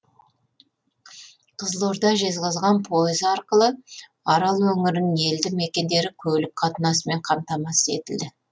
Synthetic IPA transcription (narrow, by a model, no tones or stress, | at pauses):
qʰəzlˠoɾd̪ɑʒe̞zʁɑzʁɑnpʰo̞jɪzɑɾqəlˠə | ɑɾɑlˠwɵŋɪɾɪnɪŋe̞ld̪ɪŋme̞kʲe̞nd̪e̞ɾɪkʲʰɵblɪp̚qʰɑt̪ənɑsəme̞ɴqʰɑmt̪ɑmɑse̞̰t̪ɪld̪ɪ